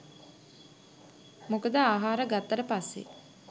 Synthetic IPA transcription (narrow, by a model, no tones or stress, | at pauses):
mokəd̪əaːɦaːɾəɡat̪ːɐɾəpasːḛ